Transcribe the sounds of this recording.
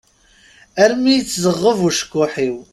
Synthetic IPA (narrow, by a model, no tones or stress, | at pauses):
æɾmijət͡sːzəʁːəvuʃə̥kːʊħiw